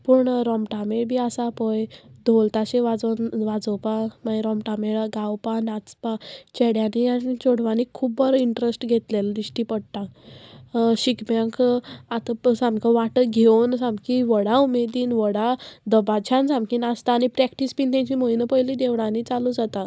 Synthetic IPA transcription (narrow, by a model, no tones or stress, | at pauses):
puːɳɾɔmʈamebʱiːasapɔjd̪ʱolt̪aɕeʋad͡zɔnʋad͡zɔpamaeɾɔmʈameɭaɡawpanat͡spat͡ɕeɽjanianit͡ɕoɽʋanikʰuːbːəɾiɳʈɾesʈɡʱet̪leld̪iɕʈiːpəɽt̪a | ɕikbaŋkat̪əsãmkə̃ʋaʈəɡʱensãmkĩʋəɽaumed̪iːnʋəɽad̪əbat͡ɕʰãnsãmkiːnast̪aːɽ̃ipɾɛkʈispiːnt̪ãɲt͡ɕiːmojnəpəjlid̪eʋɽ̃ãniːt͡salud͡zat̪a